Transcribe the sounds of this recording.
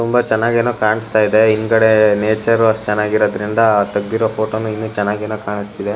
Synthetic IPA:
t̪umbɐt͡ʃɛnːaːɡeːnuːkaːɳist̪aːjid̪e̞inkɐɽeneːt͡ʃɐɾuɐt͡ʃɛnːaːɡiɾoːd̪ɾind̪ɐt̪ɐɡd̪iɾoːpʰoːʈoːnuinːut͡ʃɛnːaːɡe̞ːnuːkaːɳist̪id̪e

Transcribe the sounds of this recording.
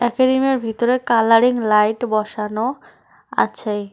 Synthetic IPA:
ɛkeɾimeɾbʱit̪oɾekalaɾiŋlajʈbɔʃano | a̰t͡ɕʰe

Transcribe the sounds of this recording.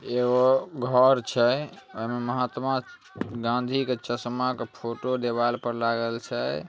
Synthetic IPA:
eɡoɡʱəɾt͡ʃʰɛoɦimeməɦat̪ma | ɡãnd̪ʱiket͡ʃəsmakepʰoʈod̪ebalpəɾlaɡəlt͡ʃʰɛ

